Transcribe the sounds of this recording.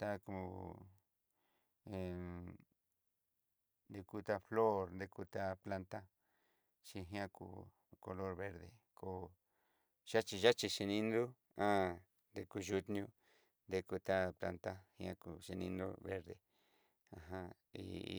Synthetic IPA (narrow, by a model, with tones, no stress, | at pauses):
t̪a˦ku˧ | e˨ | nd̪e˧ku˧t̪a˧flo˦ɾnd̪e˧ku˧t̪a˦pla˧nt̪a˦ | t͡ʃi˧ɦj̃ã˦˧kṵ˧ | ko˧lo˦ɾβe˦˧ɾðḛ˨ | ko˧ | ʃa˦t͡ʃi˧ʒa˦t͡ʃi˧ʃe˧nĩ˦nd̪u˦ | ã˦ | nd̪e˧ku˧ʒu˧t̪nɲũ˧ | nd̪e˦˧ku˧t̪a˦pla̰˧nt̪a˦hj̃ã̰˦˧ku˨ʃe˧nĩ˧nd̪o̰˦βe˦ɾðe˨ | ã˧˨ɦã˧ | ḭ˧